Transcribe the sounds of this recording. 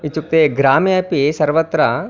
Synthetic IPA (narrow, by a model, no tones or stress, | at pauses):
it͡ʃuk̚t̪eɡɾaːmijɐpisɐɾʋɐt̪ɾɐ